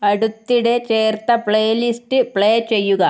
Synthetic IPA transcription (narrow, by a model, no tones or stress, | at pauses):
ɐɽut̪ːiɽe̞t͡ɕeːrt̪ɐpɭejlistɨpɭeːt͡ɕe̞jːuɣɐ